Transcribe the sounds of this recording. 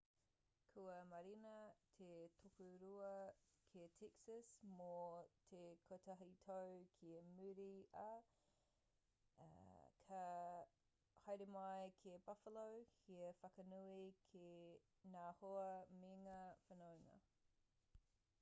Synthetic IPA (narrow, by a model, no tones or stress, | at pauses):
kʰuɐmɐɾinɐt̪ʰetʰokuɾuɐkʰiɐtʰɛksəsmot̪ʰekʰotʰɐɦitʰowkʰiɐmʉɾiɐ | kʰɐ | hɐjɾimɐjkʰiɐbɐfəlowhiɐfɐkɐnuikʰe | naːhoɐmiŋɐfənowŋɐ̰